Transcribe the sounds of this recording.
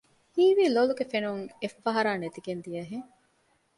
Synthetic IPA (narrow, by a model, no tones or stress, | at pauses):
hiːʋiːloluɡefenuŋefːɐɦɐɾaːnet̪iɡend̪ijɐɦeŋ